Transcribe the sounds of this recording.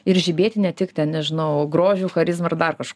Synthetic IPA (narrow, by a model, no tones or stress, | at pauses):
ɪɾʒʲɪbʲeːt̪ʲɪnʲɛt̪ʲɪkt̪ʲɛnnʲɛʒʲɪnɐʊɡɾoːʒʲuːxɐɾʲɪzmɐrd̪ɐrkɐʃ